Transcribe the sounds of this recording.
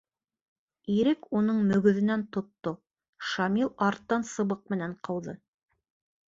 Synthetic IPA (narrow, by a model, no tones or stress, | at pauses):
iɾɘkunɤɴmɵ̆ɡɵ̆ðɘ̆nænt̪ŏt̪ːo | ʃɑmilˠɑɾt̪ːɑnsɤ̆βɤq̚mɘ̆næɴqʰɤ̆wðɤ